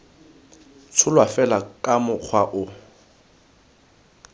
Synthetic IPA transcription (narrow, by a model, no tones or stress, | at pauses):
t͡sʰʊlwafɛlakʼamʊk͡xʰwaʔʊ